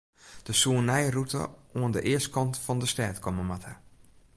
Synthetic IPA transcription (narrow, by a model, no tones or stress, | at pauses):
d̥əsuənɛjrutə̰oəndəʔɪəst̚kɔntfɔndəstɛːtkʰɔməmathə